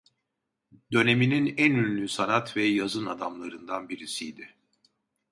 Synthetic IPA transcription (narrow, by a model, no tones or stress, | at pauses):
d̪̥ø̞ne̞mininænynlʲysanat̪vɛjazɯnad̪amlˠaɾɯnd̪anbiɾisijd̪ɪ